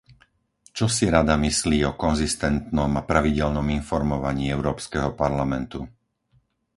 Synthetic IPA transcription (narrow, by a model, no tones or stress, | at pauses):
t͡ʃɔsiɾad̪amisliːɔkɔnzist̪ɛnt̪nɔmapɾaʋiɟɛlnɔminfɔɾmɔʋaɲiːɛʊɾɔːpskɛɦɔpaɾlamɛnt̪u